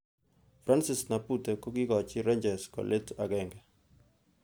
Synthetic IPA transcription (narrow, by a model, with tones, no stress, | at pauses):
fɾa˦nsɪ˨sna˨putɛ˨ko˦ɡɪ˦kɔ˨t͡ʃɪɾe˦ɲd͡ʒɛskɔ̰˨lʔe˦ta˨ɡɛŋɡɛ˨